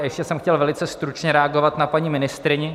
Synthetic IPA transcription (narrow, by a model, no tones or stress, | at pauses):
jɛʃcɛsɛmxcɛlvɛlɪt͡sɛst̪ɾut͡ʃɲɛɾɛaɡovat̪napaɲiːmɪnɪst̪ɾɪɲɪ